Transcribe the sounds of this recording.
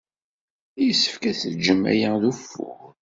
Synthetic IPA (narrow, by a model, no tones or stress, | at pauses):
jəsːə̥fkæθəd͡ʒːəmːæ̰jæðufːʊ̰ʁ